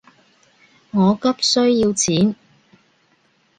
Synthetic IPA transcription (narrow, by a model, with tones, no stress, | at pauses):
ŋɔː˨˧kɐ˥p̚sɵ˥ɥjiː˧wt͡sʰiː˨˥n